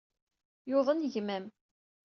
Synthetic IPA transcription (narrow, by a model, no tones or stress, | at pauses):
jʊðˤənʝmæm